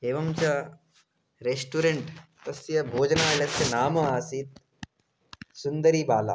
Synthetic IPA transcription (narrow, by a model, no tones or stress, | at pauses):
eːʋɐmt͡ɕa | ɾesʈuɾeɳʈt̪ɐsjɐbʱoːd͡ʒɐnaːlɐt̪ʰjɐnaːmɐaːsit̪̚ | sund̪ɐɾiːbaːla̰ː